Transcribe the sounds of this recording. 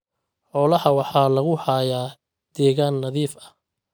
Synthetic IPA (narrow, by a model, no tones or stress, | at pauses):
ħɔːlɐhɐwɑħɑːlɐɣʊhaːjaː | d̪̥ɛːɣaːnːɐðiːfɐ